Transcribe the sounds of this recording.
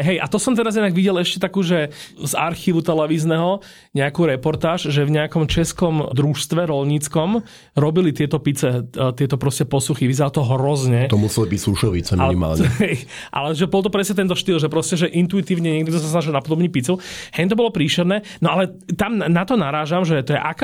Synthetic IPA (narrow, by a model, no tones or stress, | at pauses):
ɦɛjat̪ɔsɔmt̪ɛɾazjɛd̪aɡʋiɟɛlɛʃcɛt̪akuːʒɛza̰ɾxiːʋut̪ɛlɛʋiːznɛɦɔ | ɲɛakuːɾɛpɔɾt̪aːʒʒɛvɲɛakɔmt͡ʃɛskɔmd̪ɾuʃst̪ʋɛɾɔlɲit͡skɔm | ɾɔbilit̪ɪɛt̪ɔpit͡sɛt̪ɪɛt̪ɔpɾɔscɛpɔsuxiʋizɛɾalt̪ɔɦɾɔzɲɛt̪ɔmusɛlibicsuʃɔʋit͡sɛmnima̰ːlɲɛɛj | ʔa̰lɛʒɛbɔlˠt̪̬ɔpɾɛsɲɛt̪ɛnt̪ɔʃt̪iːlˠʒɛpɾɔscɛʒɛʔint̪uit̪iːʊɲɛɲɛɡ̚d̪d̪ɔs̬asnaʒilˠnapɔd̪ɔbɲipit͡suhɛɲt̪ɔbɔlɔpɾiːʃɛɾnɛː | nɔalɛ | t̪amnat̪ɔnaɾaːʒamʒɛt̪ɔjɛʔak